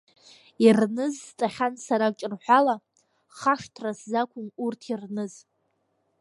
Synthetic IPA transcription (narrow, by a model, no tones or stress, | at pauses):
irnɨzt͡sʼaχʲansaɾat͡ʃʼɪrħʷala | χaʂtʰraszakʷʰʊmurtʰirnɨz